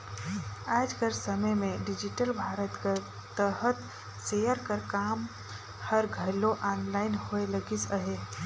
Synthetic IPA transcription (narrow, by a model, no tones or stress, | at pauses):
aːd͡ʒkəɾsəməjmẽɖɪd͡ʒiʈəlbʱaːɾət̪ka | t̪əɦət̪ | sejəɾkəɾkaːm | həɾɡʱəloʔaːnlaːɪnhoeləɡisəɦe